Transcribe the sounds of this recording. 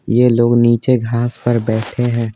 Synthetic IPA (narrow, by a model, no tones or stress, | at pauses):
jeloːɡniːt͡ʃeɡʱaːspɐɾbɛːʈʰeɦɛ̃ː